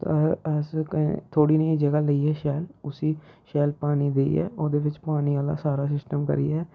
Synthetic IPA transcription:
t̪ːɛskːt̪ʰoːɽiːnəiːd͡ʒəɡaːləiːɦɛːʃɛːlʊsiːʃɛːlpaːniːd̪eḭɛ̰ːʔoːd̪eːʋɪt͡ʃpaːniːaːla̰ːsaːɾaːs̬ɪsʈəmkə̰ɾḭːɛː

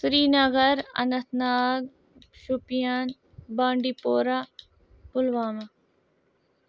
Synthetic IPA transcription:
sɾiːnɐɣɐɾɐ̰nɐt̪ʰnaːd̪ | ʃupijaːn | baːɳɖipoːɾaː | pʊlʋaːma

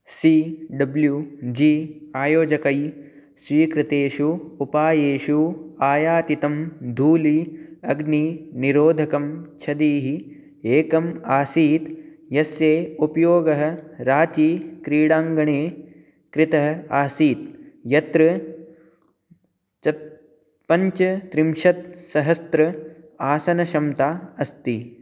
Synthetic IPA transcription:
siːɖɐbljuːd͡ʒiːaːjoːd͡ʒɐkɐj | swiːkɾɪt̪eːʃuupaːjeːʃuaːjaːt̪it̪ɐmd̪ʱuːliɐɡniniɾoːd̪ʱɐkɐmt͡ʃʰɐd̪iːɦi | eːkɐmaːsiːt̪jɐsjeːupɐjoːɡɐɦɐ̆ɾaːt͡ʃiːkɾiːɽaːŋɡɐɳeː | kɾɪt̪ɐɦɐ̆aːsiːt̪̚jɐt̪ɾɐ | t͡ʃɐ | pɐɲt͡ʃɐt̪ɾimʃɐt̪̚sɐɦɐst̪ɾɐ | aːsɐnɐʃɐmt̪aːɐst̪i

